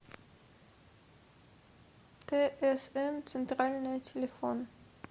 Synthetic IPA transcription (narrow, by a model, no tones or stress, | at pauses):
d̪̥eːʔæseːnsɛnt̪ʰʁɑːlnœʏt̪ʰɛləfoːn